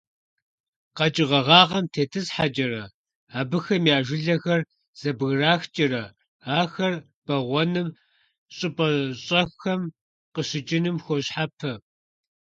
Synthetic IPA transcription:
qɐt͡ʃʼɪʁɐʁɑːʁɐmtʰeːtʰɨsħat͡ʃʼɐɾɐ | aːbɨxɐmjaːʒʷɪɮɐxɐr | z̥ɐbɣraːxt͡ʃʼɪɾɐ | aːxɐr | b̥ɐʁʷɔnɨm | ɕʼɪpʼɐɕʼɐxɐm | qəɕɪt͡ʃʼɪnɨmxʷɔɕħapʰɐ

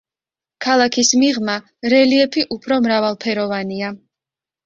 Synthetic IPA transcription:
kʰalˠakʰismiʁma | ɾɛliɛpʰiʔupʰɾɔmɾavalˠpʰɛɾɔvania

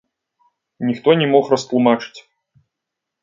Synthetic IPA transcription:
nʲixt̪ɔnʲɛmɔxrɐst̪lˠumat͡ʂɨ̥t͡sʲ

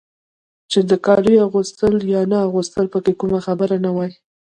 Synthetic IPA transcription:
t͡ʃed̪əkɑɾujaɣust̪əljɑnaaɣust̪əlpəkekumaxabəɾanawɑj

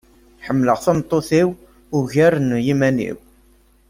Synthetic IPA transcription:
ħəmːləʁθɑmt̪ˤːoθiw | ʊʝæɾənjimænḭw

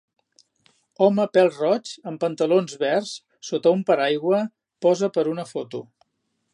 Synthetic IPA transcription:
ɔməpɛlˠrɔt͡ʃəmpənt̪əlonzβɛrs | sot̪əumpəɾajɣwə | pɔzəpəɾunəfot̪u

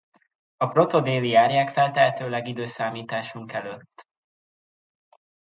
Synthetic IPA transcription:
ɒpro̞t̪o̞d̪eːlijaːrjaːkfɛlt̪ɛɦɛt̪øːlɛɡid̪øːsaːmiːt̪aːʃuŋkɛløt̪ː

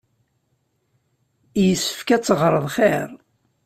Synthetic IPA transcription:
jəsːə̥fkæt͡sːəʁɾˤəðˤχeɾ

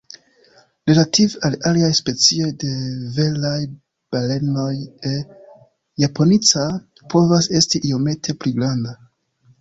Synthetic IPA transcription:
ɾe̞lativalaliajspe̞t͡sio̞jde̞ve̞laj | b̥ale̞no̞je | japʰo̞nit͡sa | pʰo̞vase̞stiʔio̞me̞tʰe̞pliɡɾanda

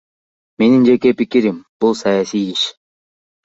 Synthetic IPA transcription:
me̞nind͡ʒe̞ke̞pikiɾimb̥ulˠsajasijiʃ

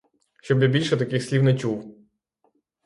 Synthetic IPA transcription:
ʃt͡ʃɔbjabʲilʲʃɛt̪ɐkɪxsʲlʲiwnɐt͡ʃuw

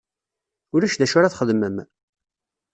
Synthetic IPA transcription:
ʊɾæʃðæʃʊɾaθχəðməm

